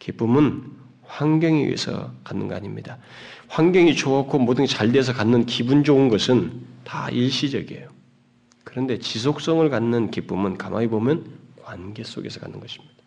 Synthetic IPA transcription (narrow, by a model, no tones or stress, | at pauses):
kip͈umɯn | ɸwaŋɡjʌŋiwɥḭḛsʰʌ̰kanːɯ̰nɡʌaɲimɲida | ɸwaŋɡjʌŋit͡ɕʰoakʰomodɯŋt͡ɕaɭde̞s̬ʰʌkanːɯnkibund͡ʑoɯnɡʌsʰɯnta̰iɭɕ͈id͡ʑʌ̰ɡiḛjo | kɯɾʌnde̞t͡ɕis̬ʰok̚s͈ʌŋɯɭkanːɯnkip͈umɯnkamʔaɡibomjʌnkwanɡe̞s͈o̰ɡe̞sʰʌka̰nːɯnɡʌɕʰi̥mɲid̥a